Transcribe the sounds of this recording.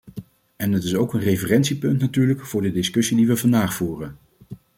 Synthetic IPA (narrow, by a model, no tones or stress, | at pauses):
ɛndɑtɪsowkənrejvərɛntsipɵntnatyːɹləkv̥ʊːɹdədɪskɵsidiʋəvɑndaːχfuːrən